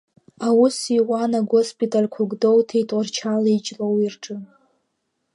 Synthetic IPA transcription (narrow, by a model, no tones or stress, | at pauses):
awusiwʷanaɡospʼitʼalʲkʷʰʊɡʷdo̞wtʰejtʼart͡ʃʰalit͡ʃʼlowirʈ͡ʂʼɨ